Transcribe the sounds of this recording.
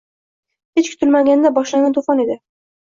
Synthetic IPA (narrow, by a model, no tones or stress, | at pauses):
het͡ʃkʰʊ̥t̪ʰɪlmaɡʲand̪abɒʃlanɪt̪ʰofɑne̞d̪ɪ